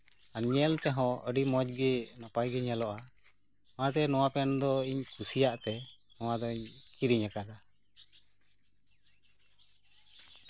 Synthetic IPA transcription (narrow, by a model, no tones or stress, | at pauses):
aɲɛlt̪ɛɦɔ̃əɖimɔd͡ʒ̚ɡɛnɔpajɡɛɲalɔʔa | mat̪ɛnɔw̃apɛnd̪ɔiɲkʰusijaʔt̪ɛ | nɔwad̪ɔiɲkiɾiɲakad̪a